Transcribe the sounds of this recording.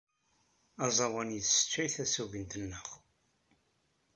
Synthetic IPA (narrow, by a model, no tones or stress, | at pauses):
ɑzˤɑwənjəθsə̥t͡ʃːæjθæsuvənt̪ənːəχ